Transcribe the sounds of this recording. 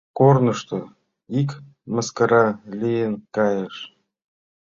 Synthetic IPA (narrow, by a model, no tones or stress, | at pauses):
kornɤ̆ʃt̪o | ik | məskəɾɑlʲijenkɑjeʃ